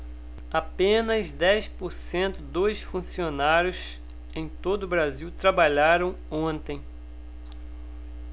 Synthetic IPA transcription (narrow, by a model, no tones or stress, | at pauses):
apẽnɐzd̪ɛjspoɾsẽnt̪ʊd̪ojsfũsionaɾjʊs | ẽj̃t̪od̪ʊʊbɾaziwt̪ɾabaʎaɾɐ̃w̃õnt̪ẽj̃